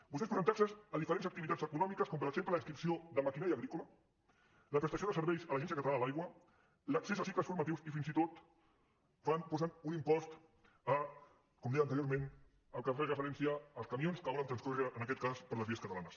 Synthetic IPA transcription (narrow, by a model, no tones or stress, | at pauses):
bust̪es̬pɾəzənt̪aɾsəsəðifəɾenzəkt̪iβit̪ad͡zəkunɔmikəskɔmpəɾəɡzempləliŋskɾipsioðəmakinaɾjəɣɾikulə | ləpɾəst̪sioðəsəɾβɛjzələʒɛnsijəkət̪laðəlajɣwə | ləksesasikləsfuɾmɐt̪iwsifinzit̪ot̪ | fanpɔzanunimpɔst̪ | ə | kɔmd̪ɛjənt̪əɾjoɾmen | əlˠkəfɛzəfəɾɛnsiaəlˠskɐmionskəβɔlənt̪ɾənskuɾəənəkɛt̪̚kaspəɾləzβiəskət̪əlanəs